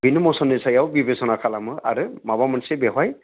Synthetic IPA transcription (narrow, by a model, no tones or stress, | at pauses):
bʱinːɔmɔsɔnisajawbibesɔnakʰalamɯa̰ɹɯmabamansibɛɦaj